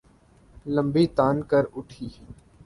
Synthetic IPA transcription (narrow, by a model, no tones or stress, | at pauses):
lə̃mbiːt̪aːnkəɾʊʈʰiː